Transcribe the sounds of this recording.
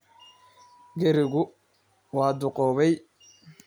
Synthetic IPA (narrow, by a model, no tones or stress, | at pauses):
ɡɛɾɪɣʊ | wɑːd̪ʊqɔːβɛj